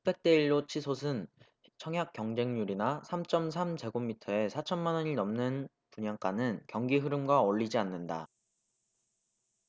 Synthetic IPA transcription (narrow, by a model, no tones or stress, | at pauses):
p͈ʰek̚t͈e̞iɭːot͡ɕʰisʰosʰɯn | t͡ɕʰʌŋɦjak͈jʌŋd͡ʑe̞ŋɲuɾinasʰamt͡ɕ͈ʌms̬ʰamd͡ʑe̞ɡomːitʰʌe̞sʰat͡ɕʰʌnmanʌɲiɭnʌmnɯn | puɲaŋk͈anɯnkjʌŋɡiɦɯɾɯmɡwaʌɭːid͡ʑianːɯnda